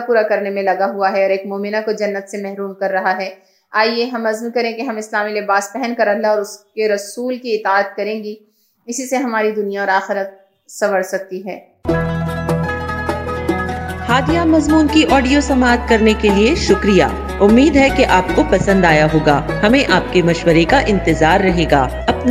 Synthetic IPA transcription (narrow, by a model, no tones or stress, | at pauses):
puːɾakɐɾnemẽlɐɡaɦuaɦɛɔːɾeːkmoːmɪnakod͡ʒɐnːət̪semɛɦɾuːmkɐɾːɐɦaɦɛː | aːieɦɐmɐzmkɐɾẽkeɦɐmɪslaːmilɪbaːspɛɦɛnkɐɾɐlaɔːɾʊskeɾɐsuːlkiɪt̪aːt̪̚kɐɾẽːɡi | ɪsiseɦɐmaːɾid̪ʊnijaɔːɾaːxɪɾət̪̚ | sɐʋəɽsɐk̚t̪iɦɛ̰ː | haːd̪ijamɐzmuːnkiʔɔːɖijosɐmaːt̪kɐɾnekelieʃʊkɾija̰ː | ʊmːiːd̪ɦɛkeʔaːp̚kopɐsə̃nd̪aːjaɦoːɡaːhɐmẽʔaːp̚kemɐʃwəɾekaʔɪ̃nt̪ɪzaːɾːɐɦeːɡaː | ɐpn